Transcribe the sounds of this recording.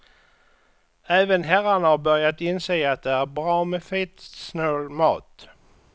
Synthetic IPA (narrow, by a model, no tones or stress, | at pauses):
æːvənɦæɾaɳahaɾbœɾjat̪ɪnseːat̪̚d̪ɛæɾbɾɑːmɛfiːt̪snøːlmɑ̰ːt̪